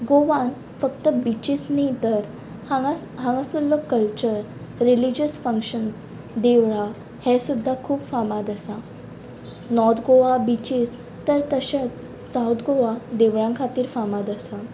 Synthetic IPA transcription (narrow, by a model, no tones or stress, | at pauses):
ɡoʋãn | fəkt̪əbit͡ɕisnit̪əɾ | ɦãŋɡasulːokːəlt͡ɕəɾː | ilid͡ʑəsfəŋkɕəns | d̪eʋɭa | hɛ̃sud̪ʱːakʰuːpfamad̪əsa | nɔɾt̪ʰɡoʋabit͡ɕis | t̪əɾt̪əɕat͡s | sawt̪ʰɡoʋad̪eʋɭãŋkʰat̪iːɾfamad̪əsa